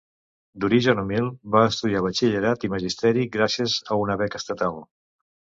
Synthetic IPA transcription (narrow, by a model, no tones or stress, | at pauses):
d̪uɾiʒənumilˠbaəst̪uðiaβət͡ʃiʎəɾat̪iməʒist̪ɛɾiɡɾasiəzəunəβɛkəst̪ət̪alˠ